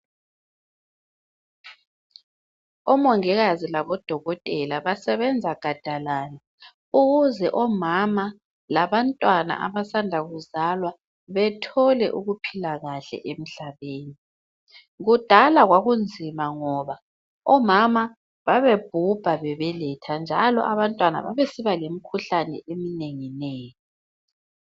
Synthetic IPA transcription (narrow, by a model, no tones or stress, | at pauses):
ɔmɔŋɛɣazilaβɔd̥ʱɔɣɔtʼɛlaβasɛβɛnd͡zʱaɡ̥ʱad̥ʱalaːna | uɣuzɛʔɔmama | laβantʼwana̰ʔa̰βasandʱaɣuzalwa | βɛtʰɔlɛ̰ʔuɣupʰilaɣaɬɛ̰ʔem̩ɬaβeːni | ɣud̥ʱalaɣwaɣund͡zʱimaŋɔβa | ɔmama | βaβeb̥ʱub̥ʱaβɛβɛlɛtʰand͡ʒʱa̰lɔ̰ʔaβantʼwana̰βa̰βesiβalemikʰuɬanɛ̰emineŋineːjɔ